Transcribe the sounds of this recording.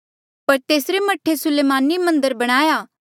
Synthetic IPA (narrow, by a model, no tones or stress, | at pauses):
pɐɾt̪eːsɾemɐʈʰːesʊleːmaːnimɐ̃nd̪əɾbɐɽ̃aːjaː